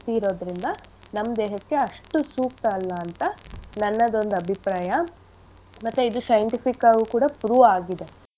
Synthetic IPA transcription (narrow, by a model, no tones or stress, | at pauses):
t̪iːɾo̞ːd̪ɾind̪ɐnɐmːɐd̪eːɦɐkːe̞ɐʂʈusuːk̚t̪ɐːlːɐːnt̪ɐnɐnːɐd̪o̞nd̪uɐbʱipɾaːjɐ | mɐt̪ːuid̪usɐjɐɳʈipʰikːaɡukuːɽɐpɾuːaːɡid̪e̞